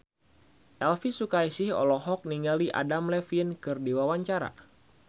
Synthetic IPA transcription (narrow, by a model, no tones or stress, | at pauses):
ʔɛlfisukajsɪhɔ̰lɔɦɔk̚niŋaliʔa̰damlɛfinkɨrdiwawaɲt͡ʃaɾa̰